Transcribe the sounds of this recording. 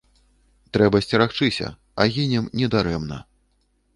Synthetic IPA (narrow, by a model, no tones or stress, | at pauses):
t̪ɾɛbɐsʲt͡sʲiɾaxt͡ʂɨsʲɐ̰ | aɣʲinʲɛmnʲɛd̪aɾɛmnɐ̰